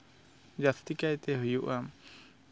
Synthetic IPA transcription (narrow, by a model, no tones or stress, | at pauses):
d͡ʒast̪ikajt̪ɛɦujuʔam